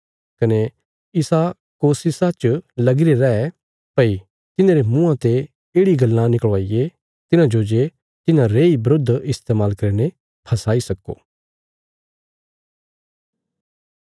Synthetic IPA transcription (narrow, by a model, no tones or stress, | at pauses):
kɐne | ɪsa | koːsɪsat͡ʃlɐɡɪɾeɾɛːɛ | pɐi | t̪ɪnẽːɾemũːãt̪e | eːɽiɡɐlːãnɪkɭʋaːije | t̪ɪnãd͡ʒoːd͡ʒe | t̪ɪnãɾeːibɾod̪ʱɪst̪eːmaːlkɐɾne | pʰɐsaːisɐkːo̰ː